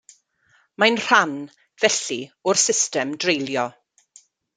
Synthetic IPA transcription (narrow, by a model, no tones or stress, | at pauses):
majnr̥an | vɛɬiʊrsɪstɛmdrejlˠjɔ